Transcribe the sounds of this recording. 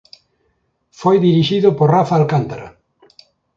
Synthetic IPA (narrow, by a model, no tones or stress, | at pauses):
fojðiɾiʃiðʊpoɾrafaːlkant̪aɾa̰